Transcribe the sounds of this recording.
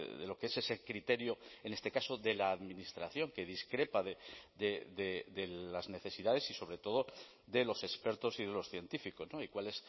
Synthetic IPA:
ðelo̞keese̞sekɾit̪e̞ɾjoene̞st̪ekaso̞ðe̞laːðminist̪ɾaθjo̞ŋke̞ðiskɾe̞paðed̪ed̪ed̪elazne̞θe̞siðaðe̞siso̞βɾe̞t̪o̞ð̞o̞ | d̪e̞lo̞se̞spe̞ɾt̪o̞siðe̞lo̞sθje̞nt̪ifiko̞zno̞ikwale̞s

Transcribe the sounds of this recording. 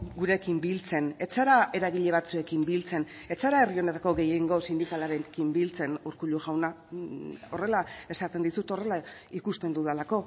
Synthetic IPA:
ɡuɾe̞kimbilt͡se̞ne̞t͡saɾae̞ɾaɣiʎe̞β̞at͡sue̞kimbilt͡se̞n | e̞t͡saɾae̞rio̞ne̞t̪ako̞ɣe̞jeŋɡo̞sind̪ikalaɾekimbilt͡se̞nuɾkuʎuʝawna | o̞re̞lae̞sat̪e̞nd̪isut̪o̞re̞laikust̪e̞nd̪uð̞elako̞

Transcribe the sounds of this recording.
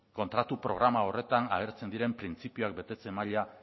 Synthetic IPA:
ko̞nt̪ɾat̪upɾo̞̰ɣ̞ɾamao̞re̞t̪ana̰ɣeɾt͡se̞nd̪iɾe̞mpɾint͡sipioak̚be̞t̪e̞t͡se̞maʎa

